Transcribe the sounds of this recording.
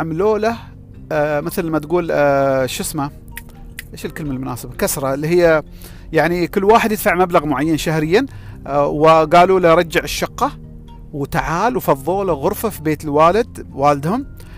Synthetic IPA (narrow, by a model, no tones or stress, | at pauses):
ʕamloːla | mɪθalamːat̪ɡuːlʃʊsma | ʔeːʃɪlkɪlməlmʊnaːsabakasɾˤɑlːihɪjːa | jaʕnikʊlːwaːħɪd̪jɪd̪̥faʕmablaɣmʊʕajːanʃahɾɪjːanwɪɡaːluːlaɾˤɑd͡ʒːaʕɪʃːɑqːɑ | wt̪aʕaːlwfɑðˤːoːlaɣʊɾfafibeːt̪ɪlwaːlɪd̪waːlɪd̪hʊm